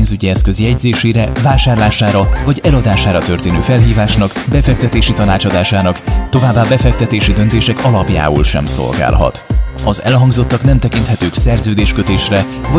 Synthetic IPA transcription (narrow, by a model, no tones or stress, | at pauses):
nzyɟiɛskø̞ziɛɟzeːʃeːɾɛvaːʃaːrlaːʃaːɾɒvɒɟɛlɒd̪aːʃaːɾɒt̪ørt̪eːnø̰ːfɛlɦiːvaːʃnɒkbɛfɛkt̪ɛt̪eːʃit̪ɒnaːt͡ʃɒd̪aːʃaːnɒkt̪o̞vaːbːaːbɛfɛk̚t̪ɛt̪eːʃid̪ø̞nt̪eːʃɛkɒlɒpja̰ːṵlʃɛ̰mso̞̰lɡa̰ːlɦɒ̰t̪ɒzɛ̰lɦɒŋɡzo̞t̪ːɒknɛmt̪ɛkint̪hɛt̪øːksɛrzøːd̪eːʃkøt̪eːʃrɛ | vɒ